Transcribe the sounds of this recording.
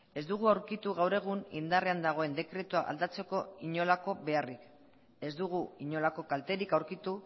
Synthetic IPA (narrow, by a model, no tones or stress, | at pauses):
e̞zd̪uɣ̞uawɾkit̪uɣawɾe̞ɣ̞unḭnd̪are̞and̪aɣ̞o̞e̞nd̪e̞kɾe̞t̪uaʔa̰ld̪at͡se̞ko̞iɲo̞lako̞βe̞arik | e̞zd̪uɣ̞uiɲo̞lako̞kalt̪e̞ɾikawɾkit̪u